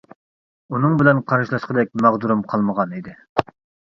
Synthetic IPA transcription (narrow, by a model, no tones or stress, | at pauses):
unɨŋbɪlɛnqʰɑɾɨʃlˠɑʃqəd̪ɛk̚ʲmæʁd̪uɾumqʰɑlˠməʁɑnid̪ɪ